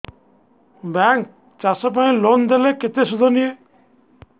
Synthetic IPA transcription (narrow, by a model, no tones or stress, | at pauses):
bɛŋk̚ | t͡ʃasɔp̬aĩlond̪eleket̪esud̪ʱɔnie